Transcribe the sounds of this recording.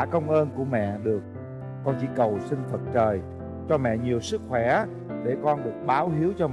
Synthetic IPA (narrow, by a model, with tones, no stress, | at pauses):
kə˧wŋ͡mʔəː˧nku˧˩əmɛ̰˧˨ɗɨ˨˩ək̚ː | ɔ˧nt͡ɕḭ˧˥kə˨˩wsï˧ŋ̟fə˨˩t̚t͡ɕəː˨˩j | t͡ɕɔ˧mɛ̰˧˨ɲi˨˩əwsɨ˦˥k̚xwɛ˧˩ | ɗe˧˩kɔ˧nɗɨ˨˩ət̚ɓaː˨˦wɦi˨˦əwt͡ɕɔ˧